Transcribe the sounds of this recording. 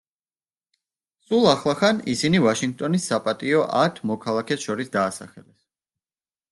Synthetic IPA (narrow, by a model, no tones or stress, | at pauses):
sʼulˠaχlˠaχanisinivaʃiŋɡ̚t̪ʼɔnisapʼat̪ʼiɔʔat̪ʰmɔkʰalˠakʰɛsʃɔɾisd̪aːsa̰χɛlɛs